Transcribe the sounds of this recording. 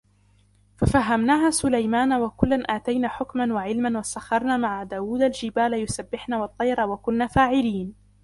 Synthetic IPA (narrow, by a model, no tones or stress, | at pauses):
fafaɦːamnaːɦaːsʊlajmaːnawakʊlːanʔaːt̪ajnaːħʊkmanwaʕɪlmanwasaxːɑɾˤnaːmaʕad̪aːwuːd̪ald͡ʒɪbaːlajʊsabːɪħnaːwɑt̪ˤːɑjɾˤɑwakʊnːaːfaːʕɪliːn